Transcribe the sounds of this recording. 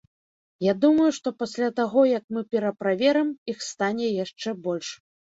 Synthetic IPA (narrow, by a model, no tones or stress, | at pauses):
jad̪umɐjuʂt̪ɔpasʲlʲat̪aɣɔjɐkmɨpʲɛɾɐpɾavʲɛɾɨmixst̪anʲɛjaʂt͡ʂɛbɔlʲʂ